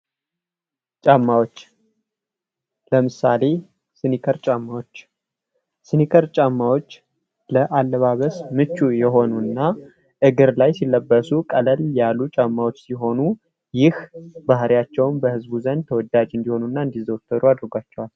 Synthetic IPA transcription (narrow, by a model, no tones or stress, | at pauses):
t͡ʃʼamːawot͡ʃː | ləmɨsale̞ | sɨnikʰəɾt͡ʃʼamːawot͡ʃː | sɨnikʰəɾt͡ʃʼamːawo̞t͡ʃː | ləʔalːəβaβəsmɨt͡ʃːujɛɦo̞nuɨnːa | ʔɨɡɨɾlajsilːəbːəsukʼələljalːut͡ʃʼamːawot͡ʃːsiɦo̞nu | jɪhbahɾijat͡ʃːɛwnbəhɨzbuzənd̪t̪ʰəwɔd̪ːad͡ʒɨnd̪iho̞nunːaɨnd̪izəwt̪ʰːəd̪uad̪ɨɾɡʷat͡ʃːɛwal